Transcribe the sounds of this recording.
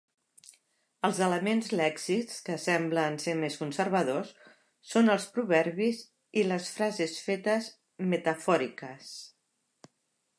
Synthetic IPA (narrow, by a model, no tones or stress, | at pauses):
əlˠzələmenzlɛksiskəsɛmblənsemeskunsəɾβəðosː | onəlˠspɾuβɛɾβiz | iləsfɾazesfet̪əz | mət̪əfɔɾikəs